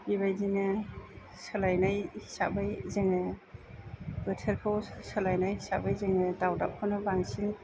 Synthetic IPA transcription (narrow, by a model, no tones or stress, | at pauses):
biβajdinɯ | sɯlajnajhi̥sa̰bajzɯŋɯ | bɯtʰəɾkʰawsəlajnajhisa̰bajzɯŋɯdawda̰p̚kʰawnɯbaŋsiŋ